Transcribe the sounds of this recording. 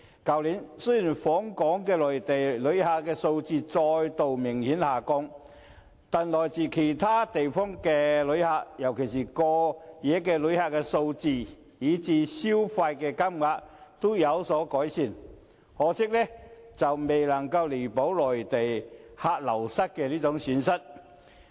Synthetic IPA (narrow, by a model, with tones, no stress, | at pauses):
kɐ˨˩wliː˨˥nsɵ˥jiː˨˩nfɔː˨˥ŋkɔː˨˥ŋkɛː˧lɔː˨˩jt̪e˨˩jlɵ˨˧˥ɥhaː˧kɛː˧so˧wt͡siː˧t͡sɔː˧jt̪o˨wmɪ˨˩ŋhiː˨˥nhaː˨kɔ˧˥ŋ | t̪aː˨nlɔː˨˩jt͡siː˨˩kʰe˨˩jt̪ʰaː˥t̪e˨jfɔː˥ŋkɛː˧lɵ˨˧ɥhaː˧k̚jɐ˨˩wkʰe˨˩jsiː˨˩kɔː˧jɛː˨˥kɛː˧lɵ˨˥ɥhaː˧t̚kɛː˧so˧wt͡siː˧ | jiː˨˥t͡siː˨˥siː˥wfaː˧jkɛː˧kɐ˥mŋaː˧k̚t̪o˥jɐ˨˧wsɔː˨˥kɔː˨˥jsiː˨˩n | hɔː˨˧sɪ˥k̚lɛː˥t͡sɐ˨wme˨jlɐ˨˩ŋkɐ˧wle˨˩po˨˥wlɔː˨˩jt̪e˨jhaː˧t̚lɐ˨˩wsɐ˥t̚kɛː˧liː˥t͡sʊ˨˥ŋsyː˨˥nsɐ˥t̚